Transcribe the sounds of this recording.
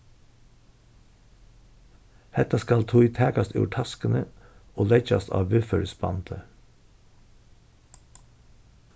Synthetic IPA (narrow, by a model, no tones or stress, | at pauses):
hɛt̪ɑskɑlt̪ʰʊɪt̪ʰæːkɑst̪ʉ̰ːʈʰɑskənəoːlɛçɑ̰st̪ʰɑ̰ːʋʋʉfəɾsbɑ̰nt̪ʰə